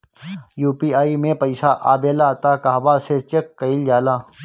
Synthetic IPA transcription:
juːpiːaːimẽpɐɪsaːʔaːbeːlaːt̪aːkaːʋaːset͡ʃɐkːɐild͡ʒaːlaː

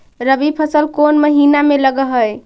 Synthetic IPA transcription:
ɾəbipʰəsəlkonməɦinameləɡəɦəj

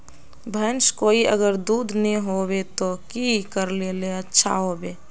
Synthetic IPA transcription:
bʱənskoːiʔə̰ɡəɾd̪uːd̪ʱneɦobet̪okikəɾleleətːʃʰa̰ɦobe

